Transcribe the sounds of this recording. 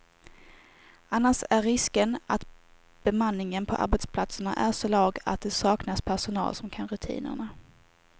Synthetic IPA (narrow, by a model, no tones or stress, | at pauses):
anːaʂæɾːɪskənat̪ | b̥ɛmanːɪŋənpʰɔʔa̰ɾbɛt̪spʰlat̪səɳa̰ʔæʂɔlɑːɡa̰t̪̚d̪ɛsɑːknaspʰæʂʊnɑ̰ːlsɔmkʰanɾɵt̪ʰḭːnə̰ɳa